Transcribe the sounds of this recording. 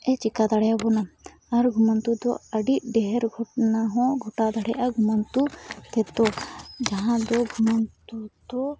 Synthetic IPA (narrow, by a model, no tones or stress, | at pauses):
ɛt͡ʃikad̪ʱaɽɛjabɔna | aɾɡʱumant̪ud̪ɔ̰əɖiʔ̚ɖɛɦɛɾɡʱɔʈnaɦɔ̃ɡʱɔʈad̪ʱaɽɛjʔaɡʱumant̪ut̪ɛt̪ɔd͡ʒaɦãd̪ɔɡʱumant̪ud̪ɔ